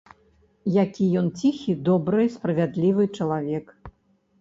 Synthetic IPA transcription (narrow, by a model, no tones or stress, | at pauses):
jakʲijɔnt͡sʲixʲid̪ɔbɾɨspɾɐvʲad̪lʲivɨt͡ʂɐlˠavʲɛk